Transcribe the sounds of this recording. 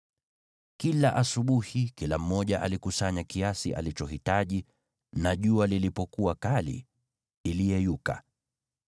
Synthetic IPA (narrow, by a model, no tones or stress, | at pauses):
kilaʔasuɓuhikilam̩ːɔʄaʔalikusaɲakiasiʔa̰lit͡ʃɔɦitaʄi | naʄualilipɔkuakalḭ | ilijɛjuka̰